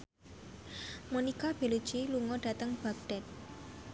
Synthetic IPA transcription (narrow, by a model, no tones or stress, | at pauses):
monikab̥elu̥t͡ʃiluŋɔɖ̥a̤t̪əŋb̥aɡ̚ɖ̥ɛt̪̚